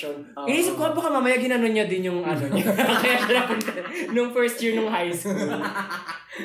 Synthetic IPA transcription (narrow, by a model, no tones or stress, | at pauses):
iːsɪp̚kobɐkamamɐjaɡ̚hɪnɐnonɲɐd̪ɪnjʊŋɐnoɲɐkɐjalɐlapnnʊŋfɛɹst̪̚jiɹnʊŋɦajso